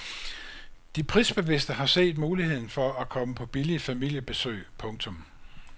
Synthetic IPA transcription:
d̥ipʰʁisb̥e̝ʋe̝sd̥əɦɑ̈se̝̰ːd̥muːlihe̝ð̞̰ˠn̩fɒ̽ækʰɒ̽məpʰɒ̽b̥ilifæmil̰jəb̥e̝sø̰ːpʰɔ̽ŋt͡sʰɔ̽m

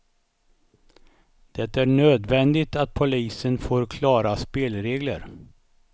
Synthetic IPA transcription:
d̪̥ɛt̪ːæɳøːd̪vɛnd̪ɪt̪at̪̚pʰʊliːsənfoːɾkʰlɑːɾaspeːlɾeːɡlə̰ɾ

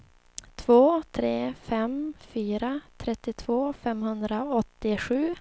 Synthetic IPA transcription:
t̪ʰv̥oːt̪ʰɾeːfɛmfyːɾat̪ʰɾɛt̪ːɪt̪ʰv̥oːfɛmhɵnd̪ɾaɔt̪ːɪɧʉ̟ː

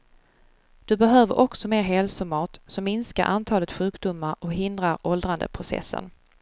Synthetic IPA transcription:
d̪̥ɵbɛɦøːvə̰ɾʔɔksɔmeːɾɦɛlsʊmɑːt̪sɔmːɪnska̰ɾʔant̪ʰɑːlət̪ɧʉ̟ːkd̪ʊmːaɾʔɔkɦɪnd̪ɾaɾɔld̪ɾand̪ə̰pʰɾʊsɛ̰sːə̰n

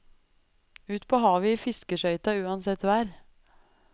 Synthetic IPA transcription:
ʉːt̪pʰoːhɑːʋiːfɪskəʃœʏt̪ɑʉːɑnsɛt̪ʋæːɾ

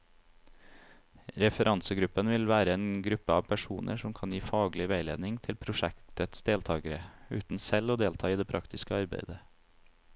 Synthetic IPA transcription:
ɾɛfəɾʔɑnsəɡɾʉpənʋɪlʋæːɾəeːnɡɾʉpəɑːʋpʰæʃuːnʔə̰ʂɔmkʰɑnjiːfɑːɡlɪʋæɪlḛːd̪nɪŋt̪ʰɪlpʰɾʊʃɛkt̪ət̪sd̪eːlt̪ʰɑːɡəɾəʉ̰ːt̪n̩sɛloːd̪eːlt̪ʰɑːiːd̪eːpʰɾɑ̰kt̪ʰɪskəɑɾbæ̰ɪd̪ə

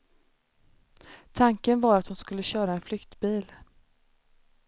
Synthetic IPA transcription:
t̪ʰaŋkənvɑːɾat̪hʊnskɵlːəɕœːɾaɛnflʏkt̪biːl

